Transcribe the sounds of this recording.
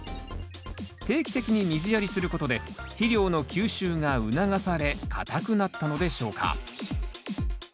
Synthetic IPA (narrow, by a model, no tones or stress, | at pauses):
t̪e̞ːkʲi̥t̪e̞kʲiɲ̟imʲizɨjaɾʲisɨɾɯ̟ko̞t̪o̞d̪e̞çiɾʲo̞ːno̞kʲɨːɕɨːŋaɯ̟naɡasaɾe̞kʰa̰t̪akɯ̟nat̪ːano̞d̪e̞ɕo̞ːkʰa̰